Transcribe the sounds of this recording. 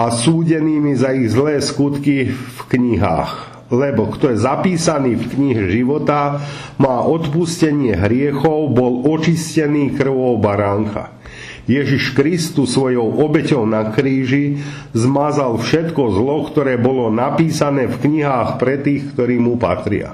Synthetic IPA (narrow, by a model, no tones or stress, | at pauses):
asuːɟɛniːmizaiɣzlɛːskut̪kifkɲiɦa̰ːx | lɛbɔkt̪ɔjɛzapiːsaniːfkɲiɦɛʒiʋɔt̪a | maːʔɔt̪puscɛɲɪɛɦɾɪɛxɔʊbɔlɔt͡ʃiscɛniːkr̩ʋɔʊbaɾaŋka̰ | jɛʒiʃkɾist̪usʋɔjɔʊʔɔbɛcɔʊnakɾiːʒi | zmazalfʃɛt̪kɔzlɔkt̪ɔɾɛːbɔlɔnapiːsanɛːfkɲiɦaːxpɾɛt̪iːxkt̪ɔɾiːmupa̰t̪ɾɪa̰